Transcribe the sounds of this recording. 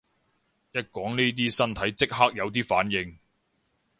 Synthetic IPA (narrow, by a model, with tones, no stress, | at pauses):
jɐ˥t̚kɔː˨˥ŋniː˥t̪̬iː˥sɐ˥nt̪ʰɐ˨˥jt͡sɪ˥k̚ɦaː˥k̚jɐ˨˧wt̪̬iː˥faː˨˥njɪ˨˧ŋ